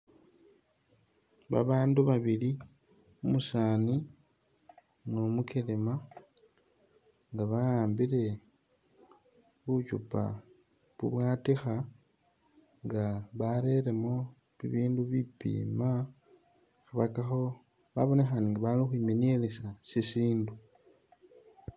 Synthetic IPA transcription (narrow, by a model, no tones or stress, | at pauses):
βa̰βaːnduβaβili | umusaːni | nomukelema | ŋɡaβajaːmbiɾe̞ | βut͡ʃupa̰ | βṵβwaːtixa | ŋɡaβaɾe̞ɾemo̞ | βḭβiːnduβipḭːma | xaβakaxo | βaβo̞ne̞xaniŋɡaβalixwiminelesasisiːndu